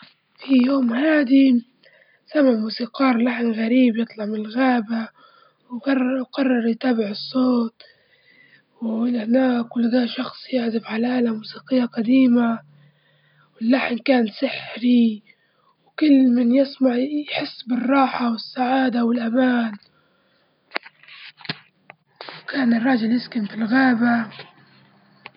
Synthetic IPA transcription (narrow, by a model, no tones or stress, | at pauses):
fijoːmhaːd̪i | samɪʕmuːsiːqɑːɾˤlaħnɣaɾiːbjɨt̪ˤlɑʕmɪnɪlɣaːba | wɡɑrˤːqɑrˤːɑɾˤjt̪aːbɪʕɨsˤːoːt̪̚ˤ | wɪhnaːkɪlːd̪aːʔʃɑxsˤjɪʕzɪfʕalaːlamuːsiːqɪjːaqad̪iːma | wɪlːaħnkaːnsɪħɾi | wkʊlːmɪnjɪsmaʕjħɪsːbɪrˤːɑːħawɪsːaʕaːd̪awɪlʔamaːn | wkaːnɪrˤːɑːd͡ʒɪljɪskɪmfilɣaːba